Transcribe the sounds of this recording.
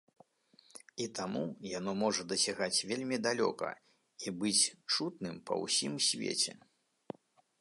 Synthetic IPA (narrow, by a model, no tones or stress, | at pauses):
it̪amujanɔmɔʐɐd̪ɐsʲaɣat͡sʲvʲelʲmʲid̪alʲɔ̰kɐ̰ | ibɨt͡sʲt͡ʂut̪nɨmpɐ̰wsʲimsʲvʲḛt͡sʲɛ̰